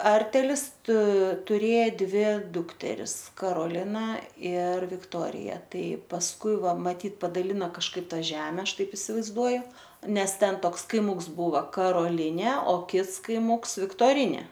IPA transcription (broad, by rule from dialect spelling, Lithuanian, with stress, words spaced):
ˈɐrʲtʲɛlʲɪs tʊ tʊˈrʲeːjɛ ˈdʲʋʲɪ ˈdʊktʲɛrʲɪs kɐroːˈlʲɪnɐ ɪr ʋʲɪkˈtoːrʲɪjɛ ˈtɐɪ pɐsˈkʊɪ ˈʋɐ mɐˈtʲiːt pɐdɐˈlʲɪnɐ kɐʃˈkɐɪp ˈtɑː ˈʒʲæːmʲɛ ˈɐʃ ˈtɐɪp ɪsʲɪʋɐɪzˈduɔjʊ ˈnʲɛs ˈtʲɛn ˈtoːks kɐɪˈmʊks ˈbuːʋɐ kɐroːˈlʲɪnʲeː oː ˈkʲɪts kɐɪˈmʊms ʋʲɪktoːrʲɪˈnʲeː